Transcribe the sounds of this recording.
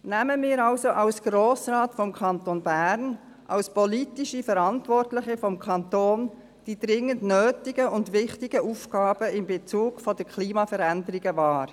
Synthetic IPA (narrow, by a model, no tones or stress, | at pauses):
næməmɪːɾɑlsoʔɑlsɡ̥ɾoːsɾɑːtfɔmkʰɑntonbæɾn | ʔɑlspɔlitiʃifəɾɑntʋɔrtlɪχəfɔmkʰɑnt̪oːn | d̥id̥ɾɪŋːəndnøːtɪɡəʊndʋɪχtɪɡəʔuːfkɑːb̥əɪmbet͡suːɡ̥fɔd̥əkʰliːmɑfəɾændəɾiɡəvɑːɾ